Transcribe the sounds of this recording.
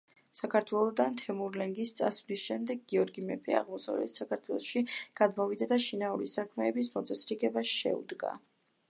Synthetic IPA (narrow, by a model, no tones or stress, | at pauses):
sakʰaɾt̪ʰwɛlˠɔd̪ant̪ʰɛmuɾlɛŋɡist̪sʼasvlisʃɛmd̪ɛɡːiɔɾɡimɛpʰʼɛa̰ʁmɔsa̰vlɛ̰t̪sakʰaɾt̪ʰwɛlˠɔʃiɡ̥ad̪mɔvid̪ad̪aʃinauɾisakʰmɛːbismɔt̪sʼɛsɾiɡɛbasʃɛ̰ṵd̪ɡa̰